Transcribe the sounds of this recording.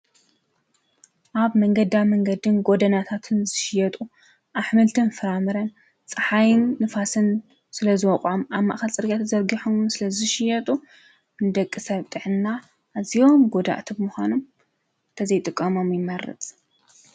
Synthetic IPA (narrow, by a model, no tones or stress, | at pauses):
ʔaβmɐŋɡɐd̪amɐŋɡɐd̪ɨnɡo̞d̪ɐnat̪ʰat̪ʰɨnzɨʃɪjɛt̪ʼu | ʔaħmɨlt̪ʰɨnfɨɾamɨɾɐn | t͡sʼɨħajɪnːɨfasɨn | sɨlɐzɨwɔqʼʕomʔaβma̰ʔxɐlt͡sʼɨɾɡat̪zɐɾɡiħomnsɨlɐzɨʃɪjɛt̪ʼu | nɨd̪ɐkʼːɨsɐβt̪ʼɨʕɨnːa | ʔːzijo̞mɡod̪a̰ʔt̪ʰibɨmuxʷanom | ɨnt̪ʰɐzɐjt̪ʼɨkʼːɐmo̞mjɪmːɐɾɐ̰t͡sʼ